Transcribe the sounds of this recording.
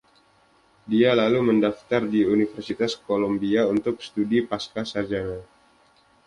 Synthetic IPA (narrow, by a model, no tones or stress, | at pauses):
dialaluməndaft̪ardiunifərsit̪askolombiaunt̪ʊk̚sə̥t̪udipaskasad͡ʒana